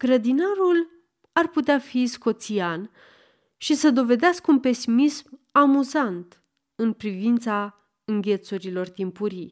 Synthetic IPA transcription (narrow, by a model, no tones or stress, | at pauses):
ɡ̥ɾəd̪inaɾul | arput̪eafisko̞t̪sian | ʃisəd̪o̞ve̞d̪easkunpe̞simismamuzant̪ | ɨnpɾivint̪sa | ɨŋɡʲe̞t̪suɾilo̞rt̪impuɾij